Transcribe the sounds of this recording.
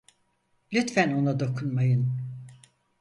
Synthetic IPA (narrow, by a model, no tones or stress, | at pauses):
lʲyt̪fæno̞nad̪o̞kʰunmajɯn